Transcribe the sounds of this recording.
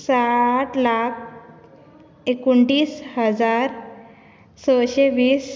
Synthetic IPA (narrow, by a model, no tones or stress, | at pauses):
saʈlak̚ʰ | ekuɳʈiːshəd͡zaɾ | səɕeʋiːs